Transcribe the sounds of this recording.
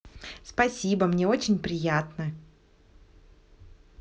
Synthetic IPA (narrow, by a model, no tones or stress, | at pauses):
spɐsʲibəmnʲeo̞t͡ɕɪnʲpɾʲɪjat̪nə